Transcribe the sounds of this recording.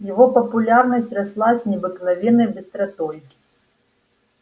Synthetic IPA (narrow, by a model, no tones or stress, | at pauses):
jaɣɔpɐpulʲarnɐsʲt͡sʲraslˠasʲnʲɛbɨknavʲɛnɐjbʲɨst̪ɾat̪ɔj